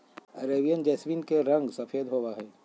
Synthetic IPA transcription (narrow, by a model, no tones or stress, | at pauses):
ɐɾeːbijənd͡ʒɛːsʋiːnkeɾɐ̃ŋɡsɐfʰeːd̪ɦoːwaɦɛː